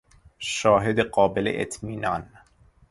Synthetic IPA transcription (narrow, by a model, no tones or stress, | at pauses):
ʃɒːɦed̪eɢɒːbelḛʔḛt̪ʰmiːnɒːn